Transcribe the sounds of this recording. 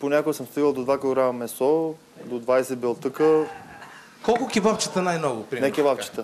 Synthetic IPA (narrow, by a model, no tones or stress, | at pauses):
ponʲakoɡəsəmst̪iɡəlˠd̪od̪vaklˠoɡɾamɐmɛsɔ | d̪od̪vajsɛbɛlˠt̪əkə | kɔlˠkʊkʲivaft͡ʃit̪ənajnɔɡʊpɾinɛkʲɛvapt͡ʃi̥t̪ə